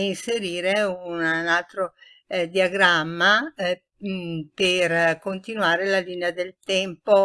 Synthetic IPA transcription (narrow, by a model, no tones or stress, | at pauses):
inseɾiːɾeunalt̪ɾo | d̪iaɡɾamːa | perkont̪inuaːɾelaliːnead̪elt̪ɛmpo